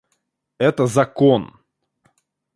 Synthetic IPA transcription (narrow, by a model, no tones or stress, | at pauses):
ɛt̪əzɐkon